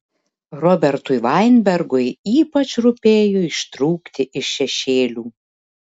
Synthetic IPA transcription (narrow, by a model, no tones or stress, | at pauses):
ɾɔbʲɛɾt̪ʊjʋɑɪnʲbʲɛɾɡʊjiːpɐt͡ʃɾʊpʲeːjoɪʃt̪ɾuːkt̪ʲɪʔɪʃːʲɛʃʲeːlʲuː